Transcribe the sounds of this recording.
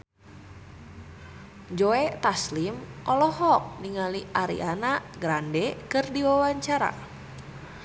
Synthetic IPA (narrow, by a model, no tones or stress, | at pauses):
d͡ʒoɛt̪aslimʔɔlɔhɔk̚niŋaliaɾḭʔanaʔɡɾandɛkɨrdiwawaɲt͡ʃaɾa̰